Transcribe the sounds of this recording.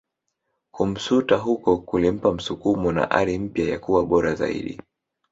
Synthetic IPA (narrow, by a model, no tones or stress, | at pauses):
kum̩sutaɦukɔkulim̩pam̩sukumɔna̰ʔa̰ɾim̩pjaja̰kuwaɓɔɾaza̰ḭɗḭ